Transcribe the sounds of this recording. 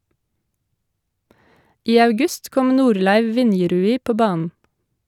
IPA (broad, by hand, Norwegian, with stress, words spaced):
ˈʔiː ɑʉˈɡʉst ˈkɔm ˈnuːɾlæɪʋ ˈʋɪnjɛɾʉːiː ˈpoː ˈbɑːnən